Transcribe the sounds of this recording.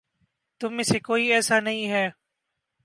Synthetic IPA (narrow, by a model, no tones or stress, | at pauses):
t̪ʊmẽːseːkoːiːɛːsaːnəɦĩːɦɛː